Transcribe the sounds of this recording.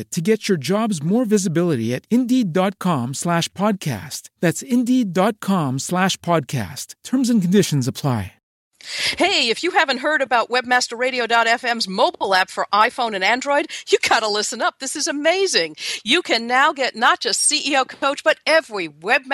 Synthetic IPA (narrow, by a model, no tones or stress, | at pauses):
ɨtʰɨɡɛt͡ʃə˞d͡ʒɑbzmɔɹvɪzɨbɪlˠəɾḭɨɾɪ̃ndidɑt̚kʰɑ̃mslæʃpʰɑd̚kʰæ̰stðætsɪ̃ndidɑt̚kʰɑ̃mslæʃpʰɑd̚kʰæ̰stʰɜ̃˞mzɨ̃n̩kn̩dɪʃn̩zəpʰl̥aɪ | heɪɨfjɨhævɨ̃n̩t̚ɦɜ˞ɾɨbaʊʔ̚wɛb̚mæstə˞ɹeɪɾioʊdɑɾɛfɛ̃mzmoʊbl̩ˠæpfə˞ʔaɪfõʊ̃nɨ̃næ̃ndɹɔɪd̚jɨɡɑɾəlɪsə̃nʌp̚ðɪsɨzɨmeɪzɪ̃ŋjɨkʰɨ̃nːaʊɡɛtⁿnət̚d̥ʒ̥ʌstsiʔioʊkʰoʊt͡ʃb̥ʌɾɛvɹiwɛb̚m